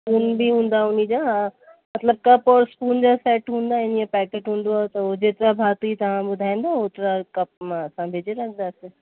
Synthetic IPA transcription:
skuːnbʱiɦũːnd̪aʊnid͡ʑa | mɐt̪ləb̚kɐpɔːɾskuːnd͡ʒasɛːʈɦũːnd̪aɪnijẽpɛːkeːʈɦũːnd̪oaet̪ɐod͡ʑeːt̪ɾabʱaːt̪uit̪ɐɦãbʊd̪ʱaːɪ̃nd̪aoːt̪ɾakɐp̚mãsãbʱeːd͡ʒeɾɐkʰd̪ase

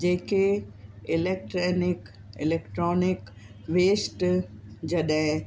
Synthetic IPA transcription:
d͡ʒeːkeɪleːk̚ʈɾeːnɪk | ɪ̰leːkʈɾɔːnɪk | ʋeːsʈd͡ʒɐɗɛ

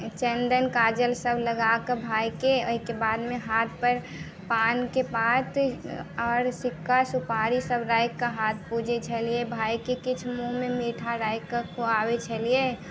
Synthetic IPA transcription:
t͡ʃə̃nd̪ənkaːd͡ʒəlsəbləɡakəbʱaːjkeoikebaːd̪meɦaːt̪̚ʰpəɾ | paːnkebaːt̪ʰɔːɾsɪkʰːasupaːɾisəbɾaːjkːaɦaːt̪̚ʰpud͡ʒʱet͡ʃʰəliebʱaːjkekɪt͡ʃʰmuɦmemiʈʰaɾaːɪkːakʰoaːwet͡ʃʰəlie

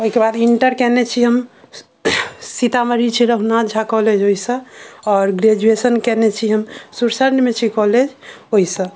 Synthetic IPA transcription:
oɦikebad̪iɳʈəɾkɛnet͡ʃʰiɦəm | sit̪aməɾit͡ʃʰiɾəɦunad͡ʒʱakɔled͡ʒoɦisə̃ɔɾɡɾed͡ʒuesənkɛnɛt͡ʃʰiɦəmsuɾsəɾnmet͡ʃʰikɔled͡ʒ | oɦisə̃

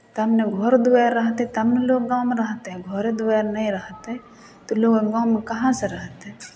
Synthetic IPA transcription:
t̪ɐmneɡʱoɾd̪ʊɛːɾːɐɦt̪eɦɛ̃t̪ɐmneloːɡɡaːʊmeɾɐɦt̪eɦɛ̃ɡʱoːɾed̪ʊɛːɾnɐɦĩɾɐɦt̪eɦɛ | t̪oloːɡɡaːʊmekɐɦãseɾɐɦt̪eɦɛ̃

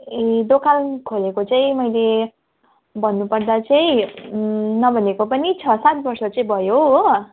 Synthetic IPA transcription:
ed̪okʰalkʰolekot͡saĩmʌjle | bʱʌnːupʌrd̪at͡saĩ | nʌbʱʌnekopʌnit͡sʰʌsat̪̚bʌrsʌt͡sʌĩbʱʌjo

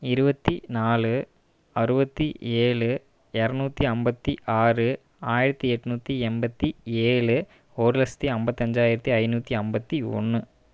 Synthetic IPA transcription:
ɪɾɯbɐt̪ːinaːlɯ | ɐɾɯbɐt̪ːieːɭɯ | ɛɾɐnuːt̪ːiɐmbɐt̪ːiʔaːrɯ | aːjɪɾɐt̪ːiɛʈːɯnuːt̪ːiɛmbɐt̪ːieːɭɯ | oːɾɯlɐst̪iɐmbɐt̪ːiɐɲd͡ʒaːjɪɾɐt̪ːiɐɪnuːt̪ːiɐmbɐt̪ːiɔ̰ɳːɯ

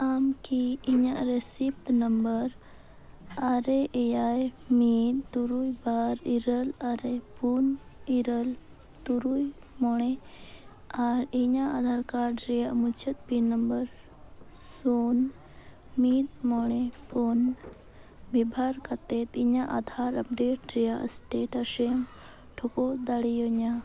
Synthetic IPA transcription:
amkiːɲaʔɾesip̚ʈ̪nəmbəɾ | aɾeʔejaj | mit̪t̪uɾujbaɾiɾəlaɾepuniɾəl | t̪uɾuj | mɔɽ̃ɛe | aɾiɲaʔad̪ʱaɾkaɾɖɾijamut͡ʃʰət̪̚pinəmbəɾ | son | mit̪mɔɳ̃epɔn | bʱibʱaɾkat̪et̪iɲaʔad̪ʱaɾəp̚ɖeʈ̚ɾijaə̰sʈeʈəʂem | ʈʰokod̪aɽijoɲa

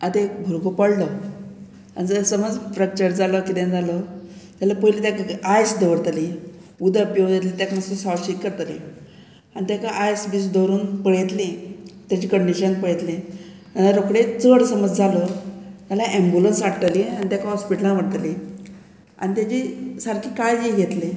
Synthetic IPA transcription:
at̪ekbʱulkopəɽlə | a̰nid͡zsəməd͡zfɾak̚t͡ɕəɾd͡zaləkid̪ẽd͡zalət̪jalapəjlit̪jakaajsd̪əʋəɽt̪aliud̪əpjod͡ʑet̪̬lit̪jakanəst̪əsaʈɕiʈ̪̚kəɾt̪alḭ | anit̪jakaʔajsbisd̪oɾuːnpəɭet̪lit̪jat͡ɕiːkəɳɖiɕənpəɭet̪li | aaɾokɽet͡səɽsəməd͡zd͡zʱalət̪jalaʔembulənsaʈʈ̪alianit̪jakaɦɔspiʈəlãʋəɽt̪ali | a̰nit̪jat͡ɕiːsəɾkiːkajd͡ʑeɡʱet̪le

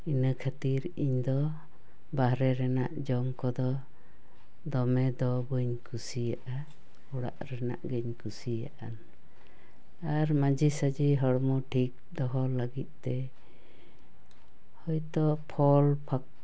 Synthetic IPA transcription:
inəkʰat̪iɾ | iɲd̪ɔ | baɦɾɛɾɛna̰ʔd͡ʒɔmkɔd̪ɔ | d̪ɔmɛd̪ɔbəɲkʰusijaʔa | uɽa̰ʔɾɛna̰ʔɡɛɲkusija̰ʔa̰n | aɾmad͡ʒisad͡ʒiɦɔɽmɔʈʰik̚d̪ɔɦɔləɡit̪̚ˀt̪ɛ | hɔjt̪ɔpʰɔlpʰak̚

